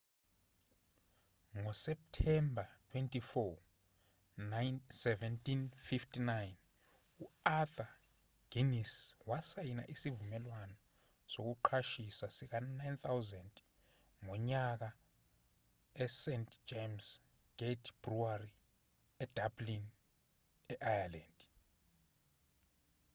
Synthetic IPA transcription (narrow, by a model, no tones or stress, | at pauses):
ŋɔsɛp̚tʰɛmbʱatʰwɛntʼifɔ | nansɛvɛntʼinfiftʰʼinajn | uaθa | ɡ̥iniswasajina̰ʔisivumɛlwanɔ | sok̬uǃʰaʃisasik̬anajnt̪ʰawzɛntʼ | ŋɔɲak̬a | ɛsɛntd͡ʒems | ɡ̥etʰb̥ruari | ɛd̥ablin | ɛʔajalaːnd